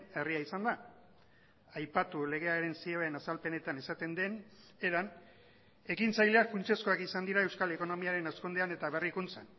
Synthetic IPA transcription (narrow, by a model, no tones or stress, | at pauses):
e̞riaisand̪a | ajpat̪ule̞ɣ̞e̞aɾe̞nsieβenasalpe̞ne̞t̪anesat̪e̞nd̪e̞n | e̞ɾan | e̞kint͡sajle̞afunt͡ʃe̞sko̞akisand̪iɾaewskale̞ko̞no̞miaɾe̞naskund̪eane̞t̪aβe̞rikunt͡san